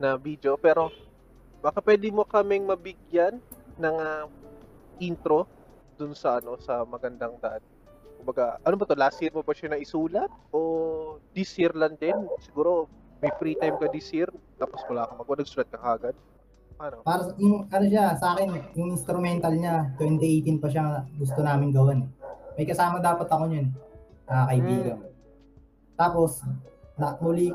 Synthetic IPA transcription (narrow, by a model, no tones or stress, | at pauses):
nɐvid̪eopɛːɾo̞ | bakɐpwɛːd̪ɪmo̞kɐmɪŋmɐbɪɡjanːɐŋa | ʔint̪ɾo̞ | d̪ʊnsɐʔɐno̞sɐmɐɡɐnd̪aŋd̪ɐʔan | kʊmbɐɡaʔɐnobɐt̪o̞laːsiɾmobɐʃanɐʔɪsuːlɐt̪̚ʔo̞d̪ɪsiɾlɐnd̪ɛnsɪɡuːɾo̞ | mɐjfɾiːt̪ajmkɐd̪ɪsiɾt̪ːaːposmɐlaːkɐmɐɡ̚ɐnɐɡ̚suːlɐt̪̚kɐkaːɡad̪̚ | ɐnopaːɾɐsjʊŋʔɐnoʃasɐʔaːkɛnjʊŋʔɪnst̪ɾʊmɛnt̪ɐlɲat̪wɛnt̪ɪʔejt̪ɪnpɐʃ̬aŋɡʊs̬t̪onaːmɪŋɡɐwɛnmɐjkɐsaːmɐd̪aːpɐt̪ɐkoɲonnɐɐkɐʔɪbiːɡɐm | t̪aːpo̞snɐmʊli